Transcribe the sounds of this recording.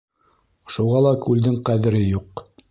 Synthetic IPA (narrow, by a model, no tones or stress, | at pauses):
ʃuʁɑlˠɑkʉld̪ɘŋqæðɘ̆ɾɘjuq